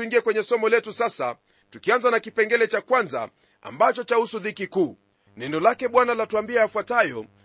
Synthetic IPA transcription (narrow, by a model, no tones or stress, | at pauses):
uiŋɡiɛkwɛɲɛsɔmɔlɛtusasa | tukianzanakipɛŋɡɛlɛt͡ʃakwanza̰ | a̰mbat͡ʃɔt͡ʃahusuðikikuː | nɛndɔlakɛɓwanalatuambiaːfwatajɔ